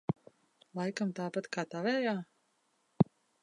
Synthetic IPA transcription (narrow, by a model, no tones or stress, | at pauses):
lˠajkamt̪aːpat̪kaːt̪avɛːjaː